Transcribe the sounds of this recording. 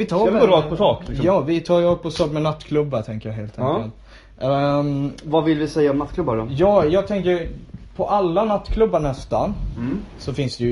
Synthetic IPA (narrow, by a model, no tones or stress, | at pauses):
vɪt̪ʰɑːɔɾɑːɡ̚pʰɔsɑːklɪjɑːvɪt̪ʰɑːɾɔːɡ̚pʰɔsɑːkmɛnat̪ːkʰlɵbːat̪ʰɛŋkəjɑɦeːlt̪ʰɛŋkəlt̪ | vavɪlvɪsɛjːaɔmnat̪ːkʰlɵbːaɖɔjɑːjɑːɡt̪ʰɛŋkəɾpʰɔʔalːanat̪ːkʰlɵbːaɳɛst̪a | sɔfɪnsd̪ɛj